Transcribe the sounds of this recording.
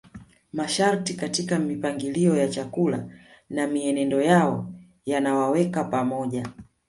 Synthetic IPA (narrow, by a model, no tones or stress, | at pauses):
maʃaɾtikatikamipaŋɡiliɔjat͡ʃakula̰namiɛnɛndɔjaɔ | janawawɛkapamɔʄa